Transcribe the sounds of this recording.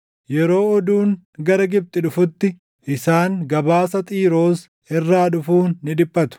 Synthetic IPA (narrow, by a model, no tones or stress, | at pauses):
jɛɾo̞ːɔd̪uːŋ | ɡɐɾɐɡɪb̚t̪ʼɪᶑʊfʊt̪ːɪ | ʔɪsaːŋɡɐbaːsɐt̪ʼiːɾo̞ːs | ɛrːaːᶑʊfuːnːɪd̪ɪpːɐt̪ʊ̥